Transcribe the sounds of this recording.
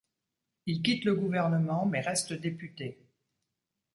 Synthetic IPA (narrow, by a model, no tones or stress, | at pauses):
ilkʲit̪ləɡuvɛʁnəmɑ̃mɛʁɛst̪əd̪epyt̪e